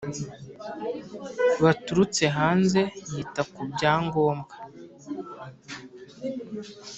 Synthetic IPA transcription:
βatuɾut͡se̞ɦaːnze̞jitakubɟaːŋɡo̞ːmɡa

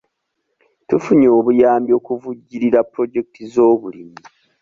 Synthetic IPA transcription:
tufuɲo̞ːβujaːmbjo̞ːkuvuɟːiɾiɾapɾo̞ɟek̚tʰizo̞ːβulimi

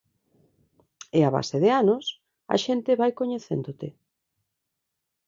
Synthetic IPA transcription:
eaβa̰seðeanos | a̰ʃent̪ɪβajkoɲeθḛnd̪ot̪ɪ

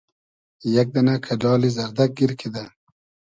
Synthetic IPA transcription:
jak̚d̪ɐnakʰaɖɑːlizɐɾd̪ak̚ɡiɾkʰid̪a

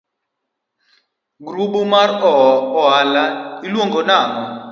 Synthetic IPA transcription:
ɡruɓumarɔɔɦalailwɔŋɡɔnaːʔɔ

